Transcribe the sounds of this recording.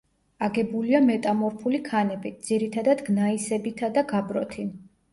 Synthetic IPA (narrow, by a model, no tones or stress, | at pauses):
aɡɛbuliamɛt̪ʼamɔɾpʰulikʰanɛbid̪z̥iɾit̪ʰad̪ad̪ɡnaisɛbit̪ʰad̪aɡabɾɔt̪ʰi